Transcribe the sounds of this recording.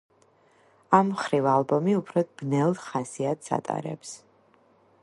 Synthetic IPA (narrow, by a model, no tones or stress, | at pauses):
amːχɾivalˠbɔmiupʰɾɔd̪b̥nɛlˠd̪χasiat̪ʰsa̰t̪ʼa̰ɾɛ̰ps